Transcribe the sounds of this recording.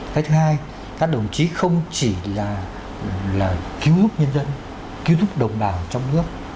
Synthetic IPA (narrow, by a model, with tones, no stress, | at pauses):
t̪ʰaː˨˦jt̪ʰɨ˨˦haː˧j | kaː˦˥k̚ɗə˨˩wŋ͡mt͡ɕi˨˦xə˧wŋ͡mt͡ɕi˧˩laː˨˩ | laː˨˩ki˧˦əwt̪ʊ˦˥k͡p̚ɲə˧nzə˧n | ki˨˧˦wt̪ʰʊ˦˥k͡p̚ɗə˨˩wŋ͡mɓaː˨˩wt͡ɕɔ˧wŋ͡mnɨ˦˥ək̚